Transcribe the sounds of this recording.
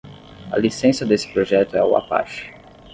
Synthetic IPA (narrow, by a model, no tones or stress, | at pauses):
ɐ̰lisẽsɐd̪esɪ̥pɾoʒɛt̪ʊɛʊa̰pa̰ʃʊ̥